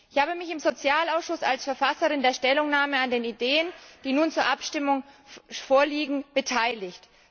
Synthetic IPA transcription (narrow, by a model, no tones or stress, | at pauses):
ʔɪçhaːbəmɪçɪmzot͡sjaːlaʊsʃʊsalsfɛɐfasəʁɪndeːɐʃtɛlʊŋnaːməandeːnideːənd̥iːnuːnt͡suːɐʔapʃtɪmʊŋfoːɐliːɡŋ̩b̥ətʰaɪlɪçt